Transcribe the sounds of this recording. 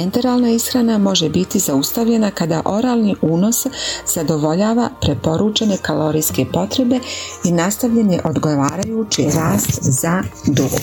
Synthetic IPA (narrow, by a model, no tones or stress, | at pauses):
ent̪eɾaːlˠnaisxɾanamo̞ʒebit̪izaust̪aʋʎe̞nakad̪aʔo̞ɾaːlˠniʔuːno̞sz̥ad̪o̞ʋo̞ʎaːʋapɾe̞po̞ɾut͡ʃeɲe̞kalo̞ɾijske̞po̞t̪ɾe̞be̞inast̪aʋʎeɲe̞ʔo̞d̪ɡo̞ʋaːɾajut͡ʃiɾaːst̪zad̪uɡo̰